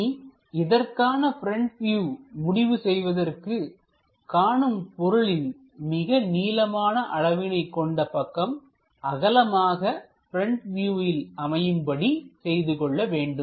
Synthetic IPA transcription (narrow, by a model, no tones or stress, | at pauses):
ɪðɐrkaːnɐpɪɾɛɳʈʋjuːmʊɽɪʋɯsɛjʋɐðɐrkɯ | kaːɳɯmpɔɾɯɭɪn | mɪɣɐniːlɐmaːnɐʔɐɻɐʋɪnɐɪkːɔɳɖɐpɐkːɐm | ʔɐɣɐlɐmaːɣɐ | pɪɾɛɳʈʋjuːjɪlɐmɐjɯmbɐɽisɛjðɯkɔɭːɐʋeːɳɖɯm